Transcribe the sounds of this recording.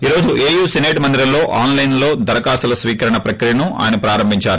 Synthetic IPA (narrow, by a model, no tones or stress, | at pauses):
iːɾo̞ːd͡ʒuʔeːjuːsineːʈmɐnd̪iɾɐmlo̞ːʔaːnlɐjnlo̞ːd̪ɐɾɐkaːsɐlɐsʋiːkɐɾɐɳɐpɾɐkɾijɐnuʔa̰ːjɐnɐpɾaːɾɐmbʱiɲt͡ʃaːɾu